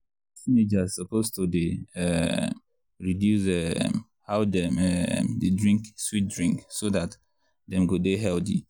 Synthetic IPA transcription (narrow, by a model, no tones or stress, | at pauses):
sĩned͡ʒazsɔpʰostudeɛ | ɹidjusɛ | haʊdɛɛdedɹĩŋkswit̚dɹĩŋksodat | dɛ̃mɡodeɦɛldi